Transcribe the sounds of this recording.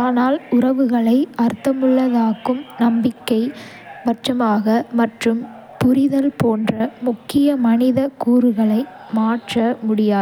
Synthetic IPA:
aːnaːlʊrɐʋɯɣɐɭɐɪɐɾt̪ːɐmɯɭːɐðaːkːɯmnɐmbɪkːɐɪ | ʋɐʈːrɐmaːɣɐmɐʈrɯm | pʊɾɪðɐlpoːndrɐmʊkːɪjɐmɐnɪðɐkuːɾɯɣɐɭɐɪ | maːʈrɐmʊɽɪjaːð

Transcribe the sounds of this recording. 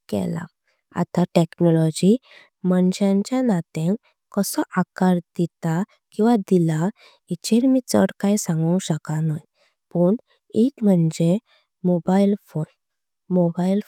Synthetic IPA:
kɛ̰la̰ | a̰t̪aʈeknɔlɔd͡ʑi | məɳɕãɲt͡ɕjanat̪ẽ | kɔsɔʔakaɾd̪it̪a | kĩw̃ʋad̪ila | it͡ɕeɾmit͡sə̰ɽkajsãŋɡɔw̃ɕəkanaj | puːɳ | iʈm̤əɳd͡ʑe | mɔbailfon | mobail

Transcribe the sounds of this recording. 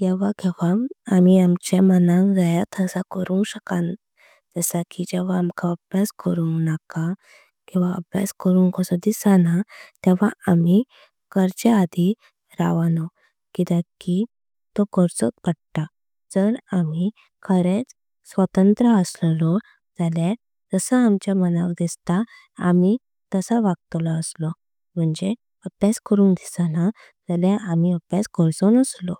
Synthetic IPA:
ɡɛʋakɛʋaamiamt͡ɕemənãŋd͡zajat̪ʰəsakəɾũŋkɕəkan | d͡zəsakid͡ʑɛʋ̤aːmkʰaəbʱjaskəɾuŋknaka | kĩw̃ʋaə̰bʱja̰skəɾũŋkɔsɔd̪isanat̪ɛ̃ʋ̤aami | kəɾt͡ɕead̪ʱi | ɾa̰ʋanɔ | kit̪aki | t̪okəɾt͡sɔt̪̚pəɽʈ̪a | d͡zəɾami | kʰəɾet͡s | sʋət̪ənt̪ɾəəsllɔ | d͡zalja | d͡zəsəamt͡ɕjamənaʋd̪ist̪a | a̰mi | t̪əsaʋaɡ̚t̪lɔəslɔ | m̤əɳd͡ʑe | əpjaskəɾũnd̪isana | d͡zaljaʔamiəpjad͡zkəɾsɔnəslɔ

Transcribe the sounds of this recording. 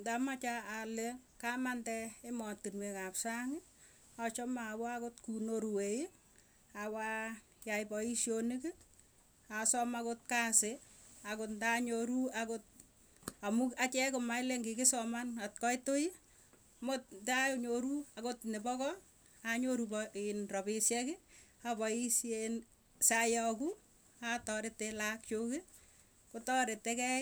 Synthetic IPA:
ndamat͡ʃaalekamantɛemɔtːinwekapsaŋɪ | at͡ʃɔmawɔakotkunoɾuwei | awa | jajpɔiʃjonɪkɪ | asɔmakot̚kaseakotndaɲoɾuakot̚ | amukat͡ʃɛkomajleŋɡɪkɪsɔmanat̚kɔjtoi | motntajoɲoɾuakotnepɔkɔ | aɲoɾupɔinrɔbɪsjɛkɪapɔisen | sajɔku | atɔɾetːelak̚t͡ʃokɪ | kotɔɾetːekɛ

